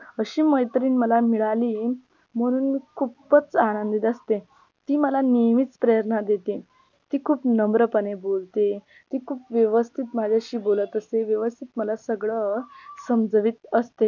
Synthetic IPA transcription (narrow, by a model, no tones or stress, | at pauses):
əɕiːməjt̪əɾiːnməlamiɭaliː | m̤əɽ̃uːnkʰuppət͡sañənd̪it̪əst̪e | t̪iːməlanemiːt͡spɾəjəɾnad̪et̪e | t̪iːkʰuːpnəmbɾəpənebolt̪e | t̪iːkʰuːpʋjəʋəst̪ʰit̪mad͡ʑʱjaɕiːbolət̪əseʋjəʋəst̪ʰit̪məlasəɡɭəsəmd͡zəʋiːt̪əst̪e